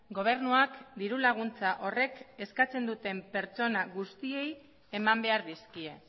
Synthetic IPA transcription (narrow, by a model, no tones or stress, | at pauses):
ɡo̞β̞e̞ɾnuakd̪iɾulaɣ̞unt͡saʔo̞re̞ke̞skat͡se̞nd̪ut̪e̞mpe̞ɾt͡so̞naɣust̪ie̞j | e̞mambe̞aɾðiskie̞